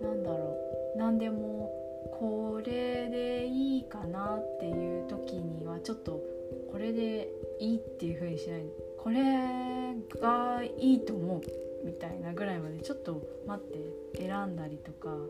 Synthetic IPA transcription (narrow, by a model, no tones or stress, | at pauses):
nãnd̪aɾo̞ː | nãnd̪e̞mo̞ | kʰo̞ɾe̞d̪e̞iːkanat̪ːe̞jɯ̟ːt̪o̞kʲiɲ̟iβat͡ɕo̞t̪ːo̞ | ko̞ɾe̞d̪e̞ | iːt̪ːe̞jɯ̟ɸɯ̟ːɲ̟iɕinaino | kʰo̞ɾe̞ | ɡaiːt̪o̞ːmo̞ɯ̟ | mʲit̪aḭnaɡɯ̟ɾaimad̪e̞t͡ɕo̞t̪ːo̞ | mat̪ːe̞ː | ɾãnd̪aɾʲit̪o̞ka